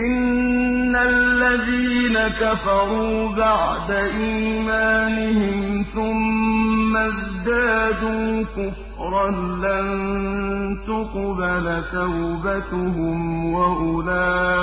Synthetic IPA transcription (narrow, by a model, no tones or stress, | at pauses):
ʔɪnː | alːaðiːnakafɑɾˤuːbaʕd̪aʔiːmaːnɪhɪmθʊmː | azd̪aːd̪uːkʊf | ɾˤɑnlan | t̪ʊqbalat̪awbat̪ʊɦʊmwaʔʊlaː